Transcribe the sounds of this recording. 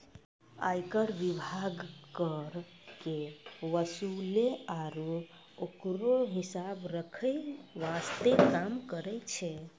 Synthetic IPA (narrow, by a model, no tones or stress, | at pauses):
a̰jkəɾʋibʱaɡkəɾ | keʋəsuleaɾu | okɾoɦisabɾəkʰəjʋast̪ekamkəɾɛt͡ʃʰɛ